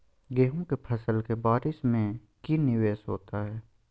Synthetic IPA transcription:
ɡeːɦõkepʰɐsəlkebaːɾɪsmẽ | kinɪʋeːʃɦoːt̪aɦɛː

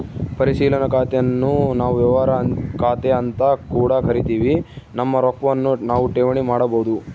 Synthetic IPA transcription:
pɐɾisiːlɐnɐkaːt̪ejɐnːunaːʋuʋjɐʋaːɾɐkaːt̪eɐnt̪ɐkuːɽɐkɐɾit̪iːʋinɐmːɐɾɔkɐʋɐnːunaːʋuʈeːʋɐɳimaːɽɐboːud̪u

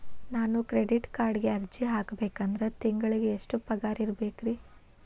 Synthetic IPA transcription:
naːnukɾeɖiʈkaːɾɖɡe̞ɐɾd͡ʒiɦaːkɐbeːkɐnd̪ɾet̪iŋɡɐɭiɡeːʂʈupɐɡaːɾiɾbe̞ːkɾi

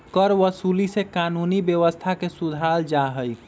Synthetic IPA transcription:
kəɾʋəsulisekanunibjəʋəst̪ʰakesud̪ʱald͡ʒaɦəj

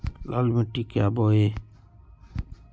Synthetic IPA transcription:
la̰ːlməʈːiːkjaːboːeː

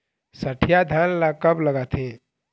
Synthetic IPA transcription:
səʈʰijad̪ʱəlːakəbləɡat̪ʰe

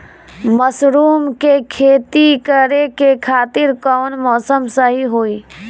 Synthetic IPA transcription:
məsɾuːmkekʰeːt̪ikəɾekekʰaːt̪ɪɾkɔːnmɔːsəmsəɦiɦoːiː

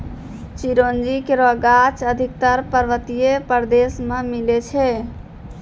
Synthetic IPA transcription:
t͡ʃiɾond͡ʒikeɾɔɡat͡ʃəd̪ʱik̚t̪əɾpəɾʋət̪ijepəɾd̪esmemilet͡ʃʰɛ

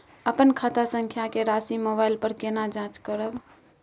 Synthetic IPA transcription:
əpənkʰat̪asəŋkʰjakeɾasimobajlpəɾkenad͡ʒãt͡ʃkəɾəb

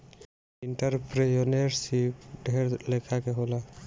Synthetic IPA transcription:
iɳʈəɾpɾejoneɾsipɖʱeɾlekʰakeɦola

